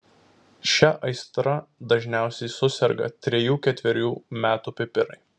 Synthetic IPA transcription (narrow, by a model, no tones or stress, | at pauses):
ʃʲɛʔɐɪst̪ɾɐd̪ɐʒʲnʲæˑʊsʲɛɪsʊsʲɛɾɡɐ̰t̪ʲɾʲɛjuːkʲɛt̪ʲʋʲɛɾʲuːmʲæːt̪uːpʲɪpʲɪɾɐ̰ɪ